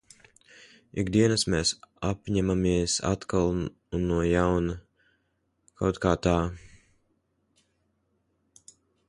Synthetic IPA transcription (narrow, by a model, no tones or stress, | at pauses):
ḭkd̪iɛnasmeːsapɲamamiɛsa̰t̪kalˠ | nːuɔjawna | kʰawt̪kaːt̪aː